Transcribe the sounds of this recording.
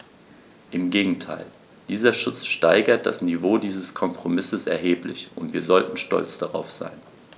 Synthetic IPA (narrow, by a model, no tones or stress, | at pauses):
ʔɪmɡeːɡŋ̩tʰa̰ɪl | d̥iːzɐʃʊt͡sʃtaɪɡɐt̚d̥a̰snivoːdiːzəskʰɔmpʁ̥omɪsəsɛɐɦeːplɪçʊntv̥iːɐzɔltn̩ʃtɔ̰lt͡sd̥aʁa̰ʊfz̥a̰ɪn